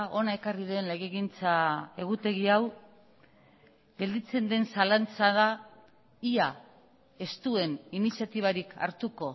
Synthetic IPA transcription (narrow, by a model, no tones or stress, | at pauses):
o̞nae̞kariðe̞nle̞ɣe̞ɣint͡sae̞ɣ̞ut̪e̞ɣiaw | ɡe̞ld̪it͡se̞nd̪e̞nsalant͡saða | ia | e̞st̪ue̞ninisjat̪iβ̞aɾikʰa̰ɾt̪uko̞